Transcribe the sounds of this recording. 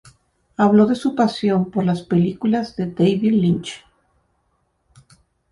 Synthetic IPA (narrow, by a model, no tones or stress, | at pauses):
aβlo̞ðe̞supasjo̞mpo̞ɾlaspe̞likulazðe̞d̪ejβiðlint͡ʃ